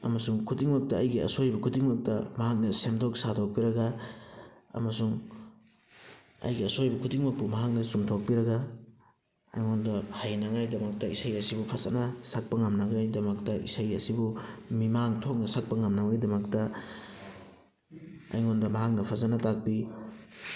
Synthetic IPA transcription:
ɐ̰mɐsuŋkʰudiŋmak̚tɐːjɡiɐ̰sojbɐkʰudiŋmak̚tɐmɐɦak̚nɐsemdok̚sadok̚piɾɐɡa | ɐ̰mɐsuŋ | ɐ̰jɡiɐsojbɐkʰudiŋmɐpumɐɦak̚nɐsumtʰok̚piɾɐɡa | ɐ̰jŋondɐhajnɐŋajdɐmɐk̚tɐisajɐsibupʰazanɐsak̚pɐŋɐmnɐɡajdɐmɐktɐʔḭsajɐsibumimaŋtʰok̚nɐsak̚pɐŋɐmnɐbɐɡidɐmɐktɐ | ɐ̰jŋondɐmɐɦak̚nɐpʰazanɐtak̚pi

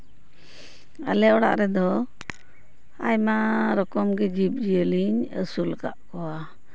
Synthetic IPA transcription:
a̰lɛɔɽa̰ʔɾɛd̪ɔ | a̰jmaɾɔkɔmɡɛd͡ʒip̚d͡ʒiəliɲə̰sulka̰ʔkɔwa

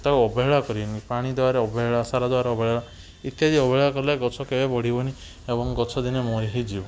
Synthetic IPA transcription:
t̪akuɔbʱeɦɭakɔɾibɔnipaɽ̃id̪eaɾeɔbɔɦeɭasaɾad̪waɾeɔbʱeɭea | it̪jad͡ʒiɔbʱɔɭakɔɾilaɡɔt͡ʃʰɔkebebɔɽ̤ibɔni | ebɔŋɡɔt͡ʃʰɔd̪inemɔeɦid͡ʒibɔ

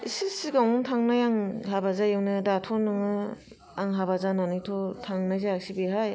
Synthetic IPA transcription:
isɯsiɡawŋɔŋtʰaŋnajaŋhabazajewnɯdatʰɔnɯŋɯ | aŋɦabazananɯjtʰɔtʰaŋnajzaak̚sibiɦaj

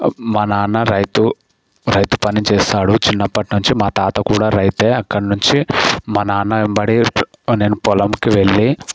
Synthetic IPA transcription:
mɐnaːnːɐɾɐjt̪u | ɾɐjt̪upɐnit͡ʃɛːʃaːɽut͡ʃinːɐpːɐʈnuɲt͡ʃimaːt̪aːt̪ɐkuːɽaːɾɐjt̪eːɐkːɐɽɐnuɲt͡ʃimɐnaːnːɐimbɐɽine̞ːnupɔlɐmkiʋe̞ɭːi

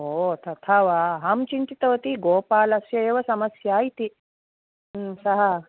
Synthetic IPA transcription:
ot̪ʰɐt̪ʰaʋaɦɐmt͡ʃint̪it̪ɐʋɐt̪iɡoːpaːlɐsjɐeːʋɐsɐmɐsjaːjt̪i | sɐɦɐ

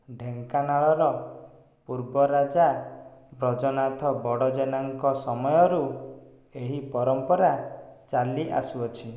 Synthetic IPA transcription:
ɖʱeŋkanaɭɔɾɔ | puɾbɔɾad͡ʒabɾɔd͡ʒɔnat̪ʰɔbɔɽɔd͡ʒenaŋkɔsɔmɔjɔɾu | eɦipɔɾɔmpɔɾat͡ʃaliʔa̰suɔt͡ʃʰi

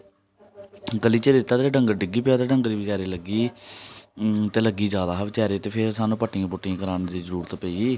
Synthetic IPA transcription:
ɡəliːt͡ʃeːd̪ɪt̪ːaːt̪eːɖəŋɡɖɪɡiːpeːaːt̪eːɖəŋɡɾiːʋɪt͡ʃaːɾeːləɡiː | t̪eːləɡiːd͡ʒjaːd̪aːʋɪt͡ʃɛːɾeːt̪eːpʰɪɾsaːnũːpəʈːɪjãːpʊʈːɪjãːkəɾaːnːd̪iːzəɾuːɾət̪pɛːiː

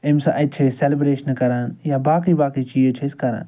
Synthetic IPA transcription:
emsaʔɐt͡ʃʰeselibɾeːʃɐnkɐɾaːnjabaːkibaːkit͡ʃiːd͡ʒət͡ʃʰeskɐɾã̰ːn

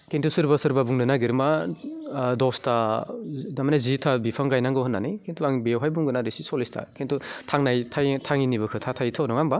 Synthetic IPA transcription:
kʰentʰusɯɾbasɯɾbabuŋnɯnaɡiɾma | dɔsta | damanazitʰabipʰaŋɡajnaŋɡɯhɔnːanijkʰentʰuaŋbewɦajbuŋɡɯnadisisolistʰa̰kʰentʰutʰaŋnajtʰajtʰaŋinibɯkʰɯtʰatʰajitʰawnɔŋaŋba

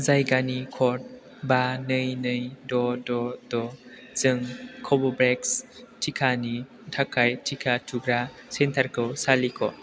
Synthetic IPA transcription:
zajɡanikʰɔt̚ | banɯjnɯjdɔdɔdɔ | z̥ɯŋkʰɔbɔbɾekstʰikʰani | tʰakʰajtʰikʰatʰuɡɾasentʰaɾkʰɯwsalikʰɔ̰

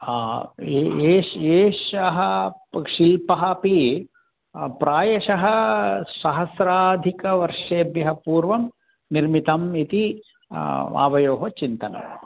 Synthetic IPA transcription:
eːʃeːʃɐɦɐʂilpɐɦɐpi | pɾʔaːjɐʃɐɦɐsɐɦɐsɾaːd̪ʱikɐʋɐɾʂeːbjɐɦɐpuːɾʋɐm | niɾmit̪ɐmit̪i | a̰ːʋɐjoːɦɐt͡ʃint̪ɐnɐ̰m

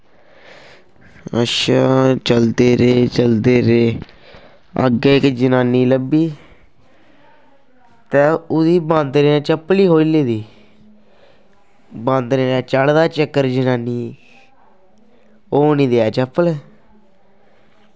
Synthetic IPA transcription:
ə̰ʃaːt͡ʃəld̪eːɾeːt͡ʃəld̪eːɾeː | ə̰ɡeːɪkd͡ʒənaːniːləbiː | t̪eːʊd̪iːbãːnd̪neːɛ̃ːt͡ʃəpːliːɦoːileːd̪iː | bãːnd̪neːɾɛːt͡ʃəɽd̪aːt͡ʃəkːəɾd͡ʒənaːniː | oːniːd̪eːɛːt͡ʃəpːəlɛ

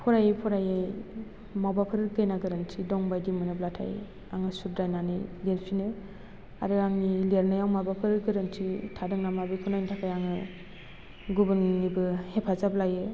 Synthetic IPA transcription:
pʰɔɾajejpʰɔɾajɯj | mawbapʰɯɾɡɯjnaɡɯɾɯntʰidɔŋbajdimɯnɯblatʰa̰j | aŋɯsuɾ̚dajnanɯ̰leɾpʰinɯ | a̰ɾɯaŋileɾnajawmabapʰɯɾɡɯɾɯntʰitʰadɯŋnamabɯkʰunajntʰakʰajaŋɯ | ɡubɯnnibɯhepʰazablajɯ

